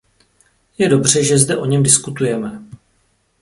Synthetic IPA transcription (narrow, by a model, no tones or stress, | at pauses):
jɛdo̞br̝̥ɛʒɛzdɛʔo̞ɲɛmdɪskut̪ujɛmɛ